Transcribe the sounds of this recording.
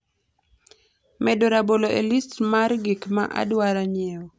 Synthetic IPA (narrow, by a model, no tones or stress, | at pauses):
mɛdoɾaboloʔelistmarɡikma̰ʔa̰dwaɾaɲɛɔ